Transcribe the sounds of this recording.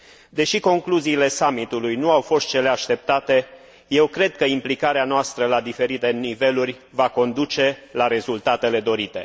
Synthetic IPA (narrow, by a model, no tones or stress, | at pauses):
d̪e̞ʃiko̞ŋkluziːle̞samit̪ulujnuawfo̞st̪̚t͡ʃe̞le̞aʃt̪e̞p̚t̪at̪e̞ | je̞wkɾe̞d̪̚kəimplikaɾeanoast̪ɾəlad̪ife̞ɾit̪e̞nive̞lurʲ | vako̞nd̪ut͡ʃe̞laɾe̞zult̪at̪e̞le̞d̪o̞ɾit̪e̞̰